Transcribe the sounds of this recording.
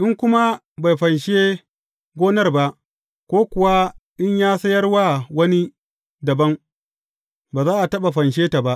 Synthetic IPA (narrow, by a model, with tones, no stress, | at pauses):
ʔɪ˦ŋkʷʊ˦ma˦ | ba˨jɸɐ˨nʃeː˦ | ɡʷoː˦nɐ˦rba˦ʔ | kʷoː˦kʷʊ˨wa˦ʔɪ˦ɲjaː˦sɐ˦jɐ˦rwaː˦wɐ˦ni˦ | dɐ˨bɐ˦ŋ | baː˨zaː˦ʔa˨tɐ˦ɓa˨ɸɐ˨nʃ̬eː˦ta˨ba˦ʔ